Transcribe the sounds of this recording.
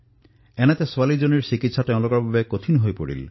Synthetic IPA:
ɛnat̪esoalid͡ʒoniɾsikit̪saʈɛ̃w̃lokɔɾbʱabekot̪ʰinɦojpoɽḭl

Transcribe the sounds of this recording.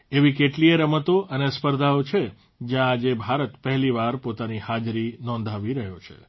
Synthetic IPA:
eʋikeʈlieɾəmət̪oʔənespəɾd̪ʱaot͡ʃʰe | d͡ʒjãːd͡ʒebʱaɾət̪pəɦliʋaɾpot̪anihad͡ʒɾinɔ̃nd̪ʱaʋiɾəɦjot͡ʃʰḛ

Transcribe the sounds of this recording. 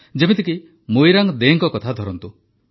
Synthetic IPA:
d͡ʒemit̪iki | mojɾaŋd̪eːŋkɔkɔt̪ʰad̪ʱɔɾɔnt̪u

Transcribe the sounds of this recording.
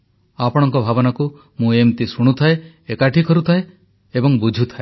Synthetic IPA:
apɔɽ̃ɔŋkɔbʱabɔnaku | mũemt̪isuɽ̃ut̪ʰae | ekaʈʰikʰɔɾut̪ʰae | ebɔŋbud͡ʒʱut̪ʰae

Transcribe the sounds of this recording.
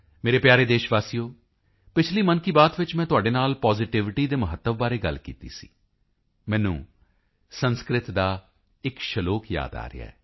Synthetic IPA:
meːɾeːpjaːɾeːd̪eːʃʋaːsijoː | pɪt͡ʃʰliːmənkiːbaːd̪ʋɪt͡ʃmɛ̃ːt̪ʊaːɖeːnaːlpɔːzɪʈɪʋɪʈiːd̪eːməɦət̪ːəʋbaːɾeːɡə̰lkḭːt̪ḭːsḭː | mɛ̃ːnṵ̃ː | sənskɾɪt̪d̪aː | ɪkʃəloːkja̰ːd̪a̰ːɾɪ̰a̰ːɛː

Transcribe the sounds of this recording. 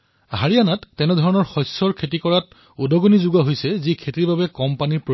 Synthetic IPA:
ɦaɹijanatːɛnɛdʱɔɹɔnɔɹxɔjsɔɹkʰetikɔɹat | udɔɡonizuɡaɦojsɛzikʰetiɹbabɛkɔmpanipɹo

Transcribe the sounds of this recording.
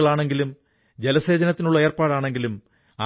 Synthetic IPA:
ɐɭaːɳe̞ŋɡilum | d͡ʑelɐse̞ːd͡ʑɐnɐt̪ːinuɭːɐeːrpaːɽaːɳe̞ŋɡilum | a

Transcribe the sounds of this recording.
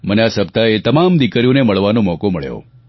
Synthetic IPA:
məneasəb̚t̪aet̪əmamd̪ikɾijõneməɭʋanõmɔkoməɭjo̰

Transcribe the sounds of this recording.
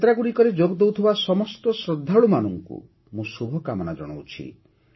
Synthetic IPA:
t̪ɾaɡuɽikɔɾed͡ʒoɡd̪ewt̪ʰibasɔmɔst̪ɔsɾɔd̪ʱːaɭumanɔŋkṵ | mũsubʱɔkamɔnad͡ʒɔɽ̃ɔut͡ʃʰḭ

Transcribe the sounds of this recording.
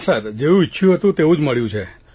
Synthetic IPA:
səɾd͡ʒeʋũiʃʰjũɦət̪ũt̪eũd͡ʒməɭjũt͡ʃʰe

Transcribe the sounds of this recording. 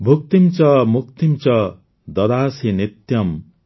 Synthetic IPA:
bʱuk̚t̪imt͡sʌmukt̪imt͡sʌ | d̪ʌd̪aːsinit̪jʌm

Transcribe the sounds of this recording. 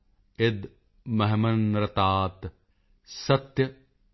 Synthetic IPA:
ɪd̪ | mɐɦmɐnɾɐt̪aːt̪ | sɐt̪jɐ

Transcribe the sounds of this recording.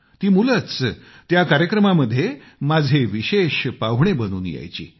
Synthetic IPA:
t̪iːmulət͡s | t̪jakaɾjəkɾəmaməd̪ʱːje | mad͡zʱeʋiɕeɕpaʋ̤ɳ̃ebənuːnja̰jt͡ɕḭː

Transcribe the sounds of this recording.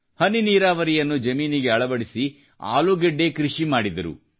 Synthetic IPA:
hɐniniːɾaːʋɐɾijɐnːud͡ʒɐmiːniɡe̞ɐɭɐbɐɽisi | a̰ːluɡeɖːe̞kɾiʂimaːɽid̪ɐɾṵ

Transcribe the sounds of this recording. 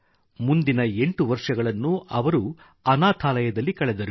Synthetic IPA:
mund̪inɐe̞ɳʈuʋɐɾʂɐɡɐɭɐnːuɐʋɐɾu | ɐnaːt̪ʰaːlɐjɐd̪ɐlːikɐɭɛd̪ɐɾu

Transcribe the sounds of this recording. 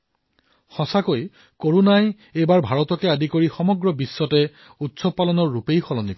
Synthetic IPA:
xɔsakoj | koɹunaj | ejbaɹbʱaɹɔtɔkɛadikoɹixɔmɔɡɹɔbisːɔtɛ | utsɔpalɔnɔɹːupejxɔlɔnikɔ

